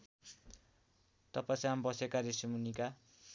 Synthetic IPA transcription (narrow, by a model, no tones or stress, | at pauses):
t̪ʌpasiɦambʌsekaɾisimunika